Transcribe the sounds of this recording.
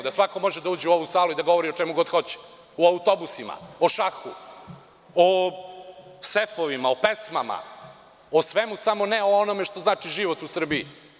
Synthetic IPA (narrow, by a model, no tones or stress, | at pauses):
d̪asʋakomo̞ʒed̪auːd͡ʑeuo̞ʋusaːlˠuid̪aɡo̞ʋoɾiot͡ʃemuɡo̞d̪xo̞t͡ɕe̥ | oaut̪o̞busima̰oʃaxṵ | o | sefoʋimaopesmama̰ | osʋemusamo̞neoono̞me̞ʃt̪o̞znaːt͡ʃiʒiʋo̞t̪usr̩bii